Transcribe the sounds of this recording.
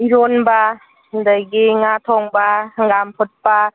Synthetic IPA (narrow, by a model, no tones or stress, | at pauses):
iɾonba | ndajɡiŋatʰɔŋbaŋɡampʰut̚pa